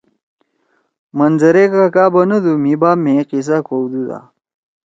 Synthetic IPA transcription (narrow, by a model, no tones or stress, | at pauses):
mɐnzɐɾekɐɐkaːbɐnɐd̪umibaːmẽqis̬akʰowd̪ud̪a̰